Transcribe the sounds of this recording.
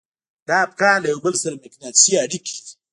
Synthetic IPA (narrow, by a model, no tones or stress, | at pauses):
dap̚kalajbɐlsɐlmɛknat͡ʃijaɽikʲi̥